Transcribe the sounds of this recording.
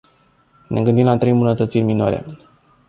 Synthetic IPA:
nʔe̞̰ɡɨnd̪imlat̪ɾe̞jmbunət̪ət̪sirʲminoa̰ɾe̞̰

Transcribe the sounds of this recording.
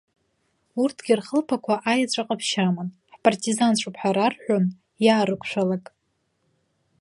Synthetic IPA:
urtʰɡ̥ʲirχəlpʰakʷʰaʔajat͡ɕʷʼaqʼapʰʃamanħpʰartʰʼizant͡ɕʷʰupʰħaɾarħʷᶣon | jaːɾɨkʷʰʃᶣʷalakʼ

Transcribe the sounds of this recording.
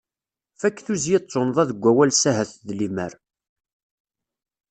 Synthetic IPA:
fækːθuzjet͡sˤːonðˤæðəɡʷːæwælsæɦæθðlimə̰ɾ

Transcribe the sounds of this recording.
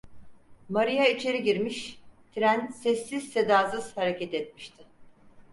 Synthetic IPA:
maɾijait͡ʃʰe̞ɾiɟiɾmiʃt̪ʰɾænsɛsːiz̥se̞d̪aːzɯz̥haɾecɛt̪ɛt̪̚miʃt̪ʰɪ

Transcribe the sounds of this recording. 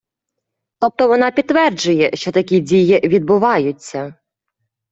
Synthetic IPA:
t̪ɔp̚t̪ɔʋɔnɑpʲit̪ːʋɛrd͡ʒʊjɛʃt͡ʃɔt̪ɐkʲidʲijiʋʲid̪̚bʊʋɑjʊt͡sʲːɐ

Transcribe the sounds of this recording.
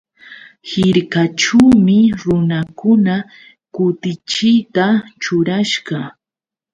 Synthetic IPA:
hɪɾkaʈ͡ʂuːmɪɾʊnakʊna | kʊt̪ɪt͡ʃɪjt̪at͡ʃʊɾaʃɢɑ

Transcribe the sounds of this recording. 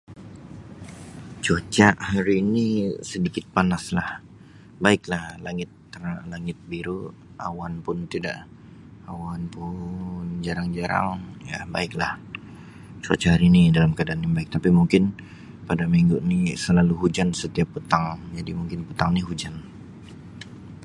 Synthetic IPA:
t͡ʃot͡ʃaʔhaɾiːnisədikɪt̪̚panaslah | baɪklahlaŋɪt̪ːəraʔlaŋɪt̪̚biɾu | a̰wanpʊnt̪ida̰ʔ | awanpʊnd͡ʒaɾaŋd͡ʒaɾa̰ŋja̰ba̰ɪklah | t͡ʃo̰t͡ʃahaɾiːnidalamkadanjabaɪk̚t̪apimuŋkɪn | padamiŋɡunisəlaluɦud͡ʒansət̪iapːət̪aŋd͡ʒadimuŋkɪnpət̪aŋniɦud͡ʒan

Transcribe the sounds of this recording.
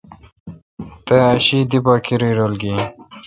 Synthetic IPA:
t̪eɐɕiːd̪ibɑːkiɾijɾolɡi

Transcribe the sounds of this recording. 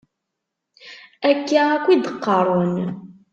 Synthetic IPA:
ækːaækʷːid̪əqːɑɾˤon

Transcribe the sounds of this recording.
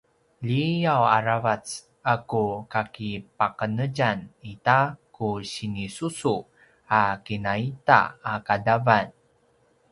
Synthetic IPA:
ʎijawaɾavat͡s | akukakipakənəd͡ʒanit̪akuɕinisusu | akinait̪a̰ːkadavan

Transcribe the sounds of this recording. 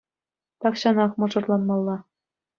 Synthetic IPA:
t̪ɑkɕɑnɑχmɤ̆ʐɤ̆rlˠɑnmɑlˠːɑ

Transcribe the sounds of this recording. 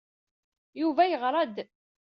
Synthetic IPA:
juvæjəʁɾˤɑd̪

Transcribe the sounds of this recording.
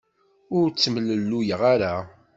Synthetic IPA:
ʊɾt͡sːəmələlːujəʁaɾa

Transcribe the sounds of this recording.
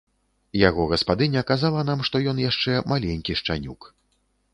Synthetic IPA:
jaɣɔɣɐspad̪ɨnʲɐkazalˠɐnamʂt̪ɔjɔnjaʂt͡ʂɛmalʲenʲkʲiʂt͡ʂa̰nʲuk

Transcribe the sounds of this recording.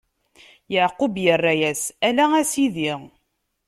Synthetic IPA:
jəʕqubjərˤːajæsælææsiðiʁ

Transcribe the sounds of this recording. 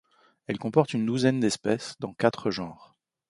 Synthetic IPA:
ɛlkɔ̃pɔʁt̪ynd̪uzɛnd̪ɛspɛsd̪ɑ̃kat̪χəʒɑ̃ʁ

